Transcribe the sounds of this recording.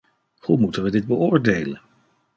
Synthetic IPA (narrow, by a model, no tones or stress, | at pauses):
humutənʋədɪd̚bəʔʊːɹdejlən